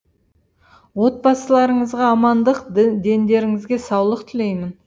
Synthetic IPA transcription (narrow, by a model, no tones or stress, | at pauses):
wo̞t̪̚bɑsəlˠɑɾəɴəzʁɑːmɑnd̪əqd̪e̞nd̪e̞ɾɪŋɪzɡʲe̞sɑwlˠəq̚t̪ʰɪle̞jmɪn